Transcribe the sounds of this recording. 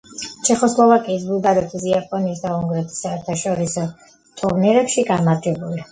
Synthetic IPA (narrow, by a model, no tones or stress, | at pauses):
t͡ʃʰɛχɔslˠɔvakʼiːs̬bulˠd̪aɾɛt̪ʰis̬iapʼɔniːsd̪auŋɡɾɛt̪ʰi̥saɛɾt̪ʰaʃɔɾisɔ | t̪ʼɔɾnɛɾɛpʃiɡamaɾd͡ʒɛbuli